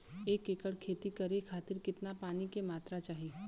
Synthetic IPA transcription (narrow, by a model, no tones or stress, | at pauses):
eːkeːkəɽkʰeːt̪ikɐɾekʰaːt̪ɪɾkɪt̪napaːnikemaːt̪ɾat͡ʃaːɦi